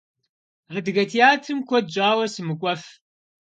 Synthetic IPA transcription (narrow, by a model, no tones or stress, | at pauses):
adɨɣɐtʰijaːtʰɨmkʷʰɔd̚d͡ʒʼaːwɐsɨmɨkʷʼɐf